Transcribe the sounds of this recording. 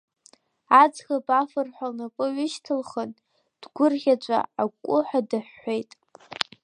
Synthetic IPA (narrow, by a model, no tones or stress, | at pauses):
ad͡zxapʼafɨrħʷalnakʷʼʊɥʏʃtʰɨlχən | d̥ɡʷʊrχʲat͡ʃʷʼa̰akʷʼːʊħʷadɨħːʷejtʼ